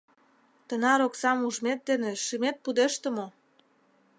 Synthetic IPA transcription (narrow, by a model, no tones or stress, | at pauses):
t̪ənɑɾoksɑmuʒmet̪̚d̪enĕʃimet̪̚pud̪eʃt̪ə̆mo